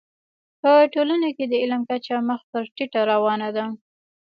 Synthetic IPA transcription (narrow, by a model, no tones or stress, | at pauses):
pəʈolanaked̪əɪləmkat͡ʃaməxpəɾʈiʈaɾawɑnad̪a